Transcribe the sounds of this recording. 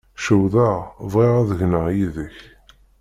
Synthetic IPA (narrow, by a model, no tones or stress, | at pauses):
ʃəwðəʁvʁiʁaðəʝnəʁjiðəç